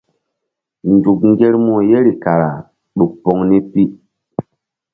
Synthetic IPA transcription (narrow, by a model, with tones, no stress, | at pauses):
n˨du˨k̚ŋ˦ɡe˦ɾmo˨je˦ɾi˨ka˨ɾa̰˨ | ɗu˨k̚pɔ˦ŋni˦pi˦